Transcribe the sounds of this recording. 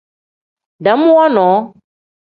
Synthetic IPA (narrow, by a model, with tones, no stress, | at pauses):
ɖɛ˨mũ˦wɔ˦nɔ̃˨˦